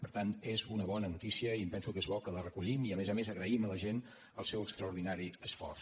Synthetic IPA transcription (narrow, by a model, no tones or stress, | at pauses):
pəɾt̪ant̪ezunəβɔnənut̪isiəimpɛnsukezβɔkələrəkuʎimiəmezəmezəɣɾəimələʒen | əlˠsɛwəkst̪ɾəuɾðinaɾiəsfɔ̰rs